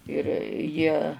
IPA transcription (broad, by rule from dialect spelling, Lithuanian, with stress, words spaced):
ɪr ˈjiɛ